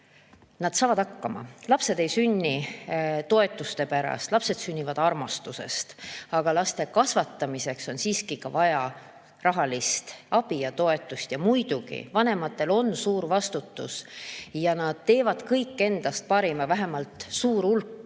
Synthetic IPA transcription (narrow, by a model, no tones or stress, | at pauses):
nɑd̪̥sɑːvɑd̪̥ɑkːɑmɑ̰lɑpse̞d̪e̞jsynʲːit̪o̞e̞t̪ːˑust̪e̞pæɾɑ̰st̪lɑpse̞d̪̥synʲːivɑd̪ɑrmɑst̪use̞̰st̪ɑɡ̥ɑlɑst̪e̞kɑsvɑt̪ːɑmise̞kso̞nsiːskikɑvɑjɑ | rɑɦɑlist̪ɑb̥ijɑt̪o̞e̞t̪ːˑust̪jɑmujd̪̥uɡ̥ḭvɑne̞mɑt̪ːˑe̞lo̞nːsuːɾvɑst̪ut̪ːṵsjɑnɑd̪̥̚t̪e̞ːvɑd̪̥kɤjkːe̞nd̪̥ɑst̪̚pɑɾimɑvæɦe̞mɑlt̪suːɾulkː